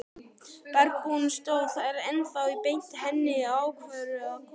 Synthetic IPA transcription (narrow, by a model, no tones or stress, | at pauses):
pɛɾkunst̪owθaɛɾɛnθawipejn̥t̪ɪhɛnːɪawkʰvɛːɾʏak